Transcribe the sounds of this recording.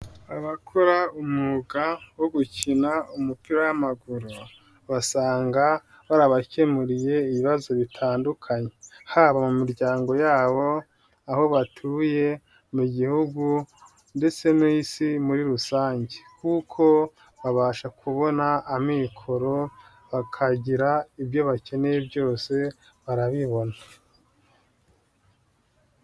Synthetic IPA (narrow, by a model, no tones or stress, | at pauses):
aβakʰo̞ɾaumuɡawoɡucinaumupiɾajamaɡuɾu | βasaːŋɡa | βaɾaβacemuɾije̞iβiβazo̞βitʰaːndukʰaɲe̞haːβamumiɾɟaːŋɡo̞jaːβo̞ | aho̞βatʰuːje̞ | muɟihuɡu | nde̞t͡se̞noisimuɾiɾusaːɲɟe̞kukʰo̞ | βaβaːʃakʰuβo̞naːmikʰo̞ɾo̞ | βakʰaɟiɾaibjo̞βace̞ne̞jebjo̞ːse̞ | βaɾaβiβo̞nḁ